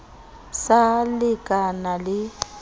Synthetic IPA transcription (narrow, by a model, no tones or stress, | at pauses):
salɪkʼanalɪ